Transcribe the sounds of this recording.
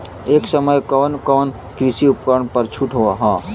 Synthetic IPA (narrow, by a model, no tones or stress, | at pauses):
eːksəməjkɔːnkɔːn | kɾɪsiʊpkəɾəɳpəɾt͡ʃʰuʈɦoaɦãː